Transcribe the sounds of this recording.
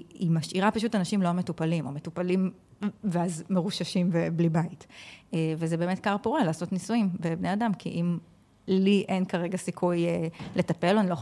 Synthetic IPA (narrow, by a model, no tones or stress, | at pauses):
imaʃʔiʁapaʃutanaʃimlo̞metupalimometupalim | veazmeʁuʃaʃimveblibaitevezebeːmet̚kaʁpoʁelaːso̞tnisuimbebne̞adamkʰḭʔim | liʔenkaʁe̞ɡasikʰujele̞tape̞loanilo